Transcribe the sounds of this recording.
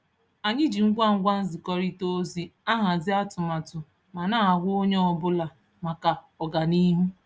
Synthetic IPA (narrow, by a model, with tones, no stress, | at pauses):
a˨ɲɪ˦d͡ʒi˨ŋ̩˦ɡʷa˦ŋ̩˦ɡʷa˦n̩˦zɪ˨kɔ˦ɾi˦to˦zi˦a˦ɦa˨zɪ˦a˦tʊ˨ma˨tʊ˨ | ma˨na˦˨ɡʷʊ˦o˦ɲe˦ɔ˨bʊ˦la˨ | ma˨ka˨ | ɔ˨ɡa˨ni˦ɦu˦